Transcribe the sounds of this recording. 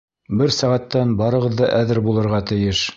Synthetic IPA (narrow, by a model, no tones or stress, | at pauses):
bɘɾsæʁæt̪ːænbɑɾɤ̆ʁɤ̆ðːɑʔæðɘɾbulˠɤ̆ɾʁɑt̪ɘ̆jɘʃ